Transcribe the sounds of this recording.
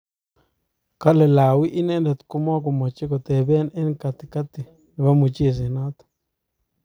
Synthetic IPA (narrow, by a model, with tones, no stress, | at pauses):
ka˦le˨la˨wi˦ʔi˦ne˦nle˨t̪ku˦ma˦k̬o˨ma˨t͡ʃi˦ko˨t̪e˨be˦ne˦nka˧t̪i̥˨ka˦t̪i˨ | n˨βa˦mu˨t͡ʃi˦˨s̬e˨na˦t̪